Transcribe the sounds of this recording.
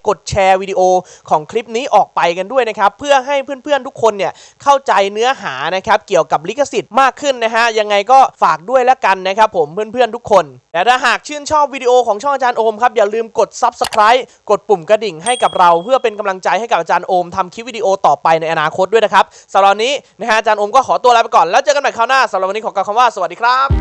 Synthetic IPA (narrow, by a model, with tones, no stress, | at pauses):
ko˨˩t̪̚t͡ɕʰɛː˧wi˧di˧ʔoː˧kʰɔː˩˦ŋkʰli˦˥p̚niː˦˥ʔɔː˨˩k̚pa˧jka˧ndu˥˩əjna˦˥kʰa˦˥pʰːɯ˥˩ɐɦa˥˩jpʰɯː˥˩ənpʰɯ˥˩ənt̪ʰu˦˥kʰːo˧nːi˥˩ɐ | kʰa˥˩wt͡ɕa˧jnɯ˦˥ɐɦaː˩˦na˦˥kʰa˦˥p̚ki˨˩əwka˨˩p̬̚li˦˥kʰːa˧si˨˩t̪̚maː˥˩kʰːɯ˥˩nna˦˥kʰa˦˥ja˧ŋːa˧jkɔː˥˩faː˨˩k̚du˥˩əjlɛ˦˥ka˧nːa˦˥kʰɾa˦˥pʰːo˩˦mpʰɯ˥˩ənpʰɯ˥˩ənt̪u˦˥kʰːo˧nt̪ɛː˨˩t̪ʰaː˥˩ɦaː˨˩k̚t͡ɕʰɯː˥˩nt͡ɕʰɔː˥˩p̚wiː˧di˧ʔoː˧kʰɔː˩˦ŋt͡ɕʰɔ˥˩ŋʔa˧t͡ɕaː˧nʔoː˧mkʰa˦˥p̚jaː˨˩lɯː˧mko˨˩t̪̚sa˦˥p̚sa˧kʰɾaː˦˥j | ko˨˩t̪̚pu˨˩mkɾa˧di˨˩ŋɦa˥˩jka˨˩p̚ɾa˧wpʰɯ˥˩ɐpe˧nka˧mla˧ŋt͡ɕa˧jha˥˩jka˨˩p̚ʔa˧t͡ɕaː˧nʔoː˧mt̪ʰa˧mkʰi˦˥wiː˧diː˧ʔoː˧t̪ɔː˨˩pa˧jna˧jʔa˧naː˧kʰo˦˥t̪̚du˥˩na˦˥kʰa˦˥p̚ | sa˨˩˦mɾa˨˩niː˦˥na˦˥ka˦˥ʔa˧t͡ɕaː˧nʔoː˧mkɔː˥˩kʰɔː˩˦t̪u˧lːpa˧jkɔː˨˩nlɛː˦˥wt͡ɕɤː˧ka˧nba˨˩kʰaː˥˩wnaː˥˩sa˨˦ɾa˨˩p̚ni˦˥kʰːka˨˩wkʰa˧mwaː˥˩sa˧wa˨˩t̚diː˧kʰɾa˦˥p̚